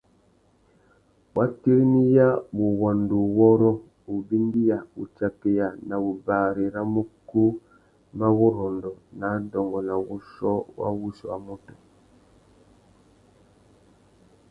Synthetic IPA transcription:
wʔa˦ki˦ɾni˦ja˦bu˨wa˨ndu˨wɔ˦ɾɔ˦ | u˨bi˦ndi˦ja˨u˨t͡ʃa˨ke˨ja˨na˨u˨baː˨ɾe˨ɾa˦mu˦ku˦ | mba˦wɔ˦ɾɔ˨ndɔ˨na˨˦dɔ˨ŋɡɔ˨na˨wu˦ʃɔ˦wa̰˦wu˦ʃɔ˨a̰˨mu˦tɔ̥˨

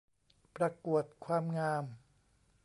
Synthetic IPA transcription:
pɾa˧ku˨˩ət̪̚kʰwaː˧mŋaː˧m

